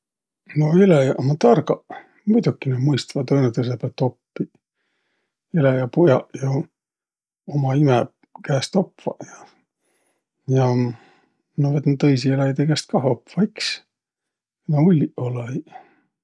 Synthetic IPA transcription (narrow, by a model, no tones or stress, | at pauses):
no̞elejɑʔomɑt̪ɑrɡɑʔ | mujd̪ukːˑinemɤjst̪ɑvɑd̪ɤnːet̪us̬epet̪ːo̞pːi | elejɑpojɑʔjo | omɑimɛ | kæːst̪o̞pvɑ̰ʔjɑ | jɑ | novet̪ːnt̪ːɤjsielæjd̪ekæst̪̚kɑɦopfɑiks | noulʲːiʔolɑi